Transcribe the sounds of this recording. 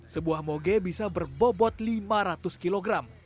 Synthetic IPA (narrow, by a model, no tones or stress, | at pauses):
səbuahmoɡɛbisabərbobɔt̪̚limaɾat̪ʊskiloɡɾam